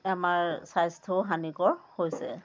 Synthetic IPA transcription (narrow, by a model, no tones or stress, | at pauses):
amaɹsajstʰɔɦaniɡɔɹhojsɛ